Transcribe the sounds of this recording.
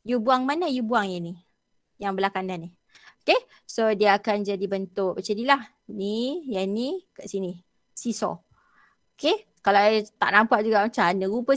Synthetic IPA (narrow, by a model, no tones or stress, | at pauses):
jubuaŋmanajubuaŋjani | jaŋbəlakandani | oke | sodiəːkand͡ʒadibənt̪ʊk̚bət͡ʃədilah | nijanikaʔsini | sisɔ̰ | oke | kalat̪a̰ʔnampaʔd͡ʒuɡaʔt͡ʃanəɣupə